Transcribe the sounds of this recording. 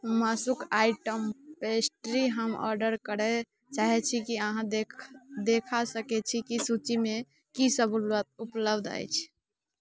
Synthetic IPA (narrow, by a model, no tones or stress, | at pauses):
masukajʈəmpesʈɾiɦəmɔ̰ɾɖəɾkəɽɛ | t͡ʃaɦɛt͡ʃʰikiəɦãd̪ekd̪ekʰasəkɛt͡ʃʰikisut͡ʃime | kisəbulwət̪̚upləbd̪a̰jt͡ʃʰ